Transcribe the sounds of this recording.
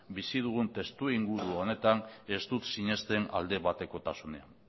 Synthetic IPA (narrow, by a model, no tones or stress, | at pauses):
bisið̞uɣ̞unt̪e̞st̪uiŋɡuɾuo̞ne̞t̪ane̞st̪ut̪siɲe̞st̪e̞na̰ld̪e̞βat̪e̞ko̞t̪asune̞an